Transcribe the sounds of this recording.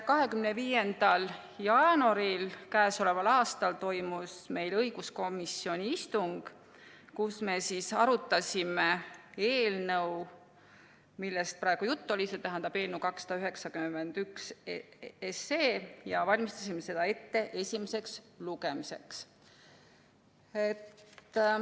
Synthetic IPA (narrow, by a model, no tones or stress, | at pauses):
kɑɦe̞kymneviːje̞nd̪̥ɑl | jɑːnuɑɾilkæːso̞le̞vɑlɑːst̪ɑlt̪o̞jmusme̞jlɤjɡ̥usko̞misːio̞nʲiist̪uŋɡ̥ | kusme̞sisɑɾut̪ːˑɑsʲimee̞ːlnɤw | milːest̪̚pɾɑe̞ɡ̥ujut̪ːo̞lʲiset̪æɦænd̪ɑb̥e̞ːlnəwkɑksːɑ̥d̪̥ɑyɦe̞ksɑkymend̪̥yks | eseːjɑvɑlʲmist̪ɑsʲimese̞d̪̥ɑe̞t̪ːe̞ʔe̞sʲimese̞ks | luɡ̥e̞mise̞̰ks | et̪ː